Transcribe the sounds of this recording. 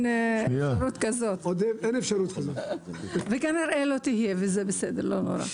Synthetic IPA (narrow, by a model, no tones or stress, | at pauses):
naɾut̪kazot̪od̪evenefʃaɾut̪kazotvekaniɾʔelo̞t̪ihijevezebesed̪eɾlo̞no̰ɾa̰